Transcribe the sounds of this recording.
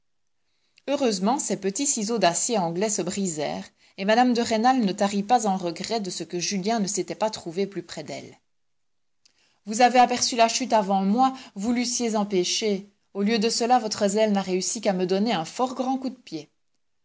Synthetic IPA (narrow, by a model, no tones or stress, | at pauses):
øʁøzmɑ̃sɛpət̪isizod̪asjeɑ̃ɡlɛsəbʁizɛ̰ːʁ | emad̪amd̪əʁenalnət̪aʁipazɑ̃ʁəɡʁɛd̪əsəkəʒyljɛ̃nəset̪ɛpat̪χuveplypχɛd̪ɛ̰l | vuzaveapɛʁsylaʃyt̪avɑ̃mwavulysjezɑ̃peʃe | oljød̪əsəlavɔt̪χəzɛlnaʁeysikaməd̪ɔneɛ̃fɔʁɡʁɑ̃kud̪əpje